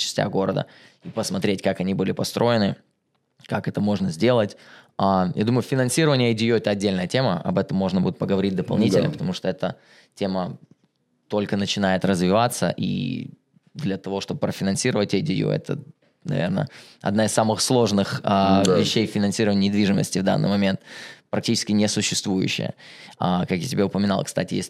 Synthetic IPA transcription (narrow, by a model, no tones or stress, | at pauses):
t͡ɕɪ̥sʲtʲa̰ɡo̞ɾə̰d̪ə̰ | ipəsmɐt̪ɾʲetʲkakɐnʲibɨlʲɪpɐst̪ɾʔo̞jɪnɨ | kakɛt̪əmo̞ʐnəzʲdʲe̞lˠətʲaja̰d̪uməjʊfʲɪnɐnsʲiɾəvənʲɪjəɪdʲɪjoɛt̪əɐdʲːelʲnəjətʲe̞mə̰ɐ̰bɛt̪əmːo̞ʐnəbṵd̪ʲɪt̪pəɡəvɐɾʲit̚ʲd̪əpɐlˠnʲitʲɪlʲnə̰pə̥t̪ɐmuʂt̪oɛt̪ə | tʲe̞mə | t̪o̞lʲkənət͡ɕɪnajɪt̪rəzvʲɪvat̪sːə̰ʔḭ | d̪lʲɐt̪ɐvo̞ʂt̪o̞bɨpɾəfʲɪnɐnsʲiɾəvətʲɐdʲɪjṵɛ̰t̪ʰə̰ | nɐ̰vʲḛrnə̰ɐ̰d̪naɪsamɨxslˠo̞ʐnɨxəvʲɪɕːejfʲɪnɐnsʲiɾəvənʲnʲɪd̪vʲiʐɨmə̰sʲtʲɪvd̪a̰nːɨ̰jmɐmʲe̞nt̪pɾɐk̚tʲit͡ɕɪ̥skʲɪnʲɪsʊɕːɪst̪vujʉ̰ɕːɪ̰jə̰akakjatʲɪbʲeʊpəmʲɪnɑlˠkst̪atʲɪjḛsʲt̚ʲ